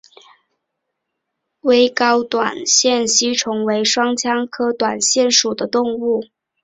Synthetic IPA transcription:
we˥ɪkɑ˥ʊt̪wa̰˨˩nɕjɛ˥˩nɕi˥ʈ͡ʂʰʊ˧˥ŋwe˧˥ɪʂwɑ˥ŋt͡ɕʰjɑ˥ŋkʰɤ˥t̪wa˨˩nɕjɛ˥˩nʂu˨˩d̪ə˦t̪ʊ˥˧ŋu˥˩

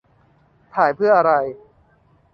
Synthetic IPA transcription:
t̪ʰaː˩˦jpʰɯ˥˩ɐʔa˧ɾa˧j

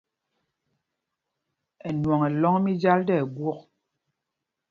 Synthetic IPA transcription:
ɛ˨nwɔ˨ŋɛ˨lɔ˦ŋ˦mi˦d͡ʒa˦ldɛ˦˨ɡwɔ˦k̚

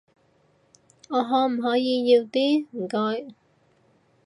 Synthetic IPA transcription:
ŋɔː˨˧ɦɔː˨˥m̩˨˩ɦɔː˨˥jiː˨˧jiː˧wt̪iː˥m̩˨˩kɔː˧j

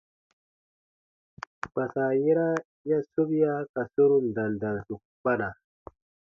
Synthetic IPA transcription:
k͡pa˨sa˨je˦ɾa˦ | ja˦so˦bi˦ja˦ka˨so˦ɾu˦n˨da˨ndã˨nsu˨k | k͡pa˦na˨

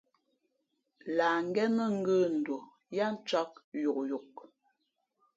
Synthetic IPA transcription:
laː˨ŋ˦ɡɛ˦mə˦ŋ̩˦ɡə˦˨n̩˨dwo˨ | ja˦n̩˦t͡ʃɔ˦k̚ju˨k̚ju˨k̚

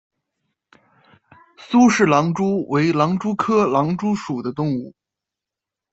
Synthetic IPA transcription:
su˥ʂɻ̩˥˩lɑ˧˥ŋʈ͡ʂu˥wʔe˧˥ɪlɑ˧˥ŋʈ͡ʂu˥kʰɤ˥lɑ˧˥ŋʈ͡ʂu˥ʂu˨˩d̪ə˦t̪ʊ˥˧ŋu˥˩

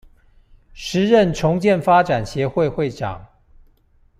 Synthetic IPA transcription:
ʂɻ̩˧˦ɻə˥˨nʈ͡ʂʰʊ˧˦ŋt͡ɕjɛ˥˨nfa˥ʈ͡ʂa˨˩nɕjɛ˨˦xwe˥˧ɪxwe˥˨ɪʈ͡ʂɑ̰˨˩˦ŋ

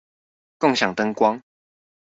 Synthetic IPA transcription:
kʊ˥˨ŋɕja˨˩ŋt̪ə˦ŋkwɑ˦ŋ

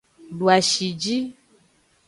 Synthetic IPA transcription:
ɖu˨a˨ʃi˨d͡ʒi˦

